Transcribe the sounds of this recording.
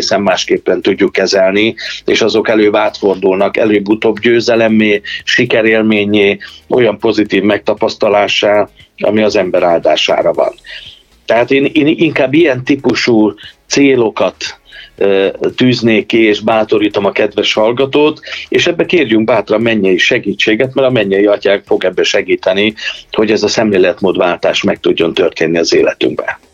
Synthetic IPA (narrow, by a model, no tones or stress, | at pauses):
eːsɛmːaːʃkeːpːɛnt̪uɟːukːɛzɛlniḛːʃɒzo̞kɛløːbaːt̪fo̞rd̪ulnɒkɛ̰løːbut̪oːbɟøːzɛlɛmeːʃikɛɾeːlmeːɲeːo̞̰jɒmpo̞zit̪iːvmɛk̚t̪ɒpɒst̪ɒlaːʃaːlɒ̰miɒzɛmbɛɾaːld̪a̰ːʃa̰ːɾɒvɒ̰n | t̪ɛɦaːt̪eːneːniŋkaːbːijɛnt̪ipuʃuːt̪seːlo̞kɒt̪ | yːzneːkːieːʒbaːt̪o̞ɾiːt̪o̞mɒkɛd̪ʋɛʃhɒlɡɒt̪oːt̪eːʃɛbːɛkeːrjyŋk̚baːt̪rɒmɛɲːɛjiʃɛɡiːt͡ʃːeːɡɛt̪mɛɾɒmɛɲːɛjiɒcaːŋkfo̞ɡɛbːɛʃɛɡiːt̪ɛniho̞ɟɛzɒsɛmleːlɛt̪moːd̪vaːlt̪aːʃmɛk̚t̪uɟːo̞nt̪ø̞rt̪eːnːiɒzeːlɛt̪y̰ŋɡ̚bɛ̰